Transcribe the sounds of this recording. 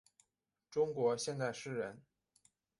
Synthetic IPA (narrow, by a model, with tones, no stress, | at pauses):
ʈ͡ʂʊ˥ŋkwɔ˧˥ɕjɛ˥˧nt͡sa˥˩ɪʂɻ̩˥˩ɻə˧˥n